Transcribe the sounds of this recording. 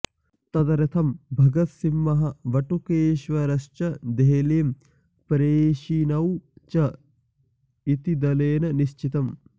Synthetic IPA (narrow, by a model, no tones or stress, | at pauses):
t̪ɐd̪ɐɾɐt̪ʰɐmbʱɐɡɐt̪simːɐɦɐ̆ʋɐʈukeːʃʋɐɾɐʃt͡ʃɐd̪eɦleːm | pɾeːʃinɐwt͡ʃɐ | it̪id̪ɐleːnɐniʃt͡ʃit̪ɐm